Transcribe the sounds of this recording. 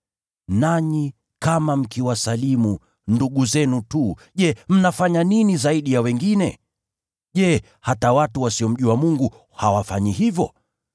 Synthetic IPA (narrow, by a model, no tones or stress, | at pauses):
naɲi | kamam̩kiwasalimu | nduɠuzɛnutuʄɛm̩nafaɲaninizaiɗijawɛŋɡinɛ̰ | ʄɛ | hatawatuwasiɔm̩ʄuwamuŋɡu | hawafaɲihivjɔ